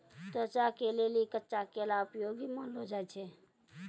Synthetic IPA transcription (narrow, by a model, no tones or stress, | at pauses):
t̪oət͡ʃakelelikətːʃakelaʊpjoɡimãnlod͡ʒaet͡ʃʰe